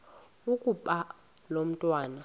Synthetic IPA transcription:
ukʼupʼa | lom̩tʼwaːna

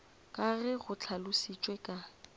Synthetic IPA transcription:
kʼaɣɛɣʊt͡ɬʰalʊsit͡ʃʼwekʼa

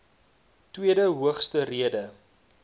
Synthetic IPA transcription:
twiədəɦuəχstəriədə

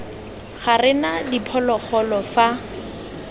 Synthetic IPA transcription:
χarɪnadipʰɔlɔχɔlɔfa

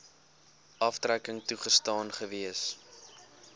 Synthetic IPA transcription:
ʔɐftrækəŋtuχəstɑːnχəviəs

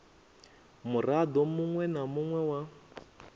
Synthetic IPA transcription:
murad̪ɔmuŋwɛnamuŋwɛwa

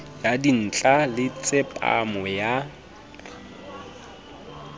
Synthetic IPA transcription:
jadin̩t͡ɬʼalɪt͡sʼɪpʼa̰mɔja

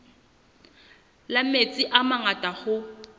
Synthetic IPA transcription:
lamet͡sʼɪʔamaŋatʼaχʊ

